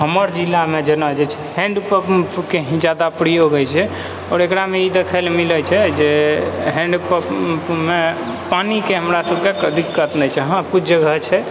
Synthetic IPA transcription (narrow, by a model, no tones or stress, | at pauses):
ɦəməɾd͡ʒilːamed͡ʒenəd͡ʒet͡ʃʰɛ̥hɛ̃ɳɖpəppkeɦĩd͡ʒjad̪apɾijoɡət͡ʃʰɛ | ɔːɾekɾameid̪ekʰəlmilət͡ʃʰɛd͡ʒeɦɛ̃ɳɖpəppme | panikeɦəmɾasəbʱkekəd̪ʱikːət̪nɛt͡ʃʰɛɦakut͡ʃʰd͡ʒəɡʱət͡ʃʰɛ